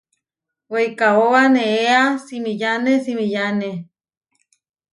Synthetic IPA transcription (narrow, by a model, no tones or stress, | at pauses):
weikaoaneeasimijanesimijane